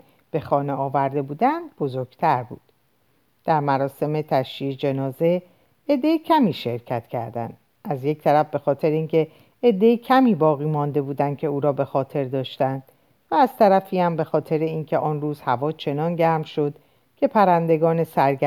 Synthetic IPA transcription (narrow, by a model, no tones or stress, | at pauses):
b̥e̞xɒːneɒːvæɾd̪e̞buːd̪ænd̪̚bo̞zoɾɡ̥t̪ʰæɾbṵːd̪̥ | d̪̥æɾmæɾɒːse̞me̞t̪ʰæʃid͡ʒe̞nɒːze̞ | ed̪ːejicʰæmiːʃe̞ɾcʰæt̪cʰæ̰ɾd̪æ̰nd̪̥ | ʔæzje̞ct̪ʰæɾæfbe̞xɒːt̪ʰe̞ɾeiːncʰe̞ː | d̪ːe̞jicʰæmiːbɒːɣiːmɒnd̪e̞buːd̪ænd̪̚cʰe̞uːɾɒːbe̞xɒːt̪ʰe̞ɾd̪ɒːʃt̪ænd̪̥ | væːz̥t̪ʰæɾæfiːæmbe̞xɒːt̪ʰe̞ɾeiːncʰe̞ʔɒːnruːz̥hævɒːt͡ʃʰe̞nɒːnɟæɾmʃo̞d̪̥ | cʰe̞pʰæɾænd̪e̞ɡɒːne̞sæɾɡæ